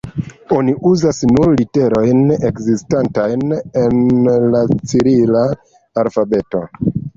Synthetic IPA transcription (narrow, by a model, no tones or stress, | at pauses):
o̞niʔuzasnuɾlite̞ɾo̞jne̞kzistantajne̞nlat͡siɾilaː | lfabe̞to̞